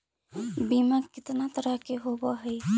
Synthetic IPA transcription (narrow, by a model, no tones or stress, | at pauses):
bimakit̪nat̪əɾəɦkeɦobɔɦəj